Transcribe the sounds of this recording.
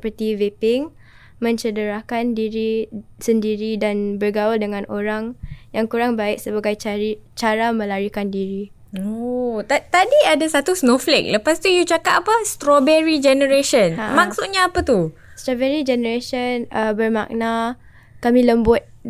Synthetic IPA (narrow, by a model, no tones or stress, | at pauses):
əpərt̪ivepɪŋ | mə̃ɲt͡ʃədəɾakandiɾisəndiɾidanbərɡawaldəŋãnoɾaŋjaŋkuɾaŋbaɪk̚səbaɡajait͡ʃaɾamə̃laɾikandiɾi | ot̪t̪adiadasat̪usnoflɛ̰k̚ləpast̪ujut͡ʃakap̚apast̪ɾobɛɾid͡ʒɛnəɾaʃənhamak̚sut̪ɲaːpat̪u | st̪ɾobɛɾid͡ʒɛnəɾaʃənəbərma̰ʔ̚na | kamĩləmbʊt̪̚